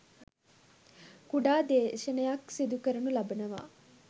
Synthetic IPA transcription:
kuɖaːd̪eːʃənəjaksid̪ukəɾɐnulabənəʋa̰ː

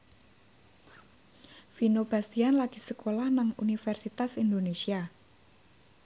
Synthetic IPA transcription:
finob̥ast̪ianlaɡ̥i̤səkolahnaŋṵnifɛrsit̪asind̪onesia

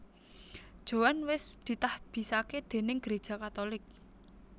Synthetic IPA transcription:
d̥ʒ̥o̤wanwɪsd̪̥i̤t̪ahb̥i̤saked̪̥e̤nɪŋɡ̥əɾed̥ʒ̥a̤kat̪olɪk̚

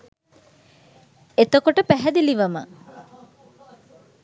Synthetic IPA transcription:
et̪okoʈəpæɦɛd̪iliʋɐmə

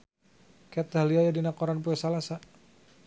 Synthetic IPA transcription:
kɛt̪ɦaliajadinakɔɾanpuɛsalasa

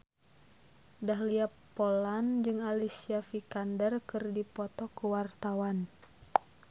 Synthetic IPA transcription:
dahliapː | ɔland͡ʒɨŋalisiafikandərkɨrdipɔt̪ɔkuwart̪awan

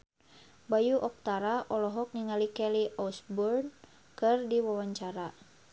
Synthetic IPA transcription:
bajuʔɔk̚t̪aɾaʔɔlɔɦɔk̚niŋalikɛliɔsbɔrn | kɨrdiwawaɲt͡ʃaɾa

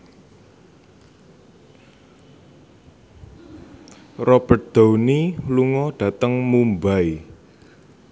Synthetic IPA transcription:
rɔb̥ər̚d̪̥o̤wniluŋɔɖ̥a̤t̪əŋmumbai

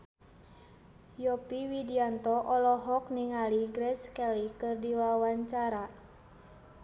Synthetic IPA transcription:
jɔpiwidiant̪ɔʔɔlɔɦɔk̚niŋaliɡɾɛskɛlikɨrdiwawaɲt͡ʃaɾa

